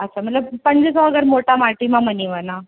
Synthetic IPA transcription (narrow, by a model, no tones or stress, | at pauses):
ətːsʰam̤əʈlapənd͡ʑesɔʋaɡəɾmoʈʰamaʈimaməniʋana